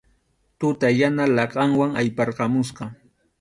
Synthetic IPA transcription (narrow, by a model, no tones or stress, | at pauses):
t̪ʊt̪ajanalɑqɑŋwaŋajpɑɾqɑmʊsqɑ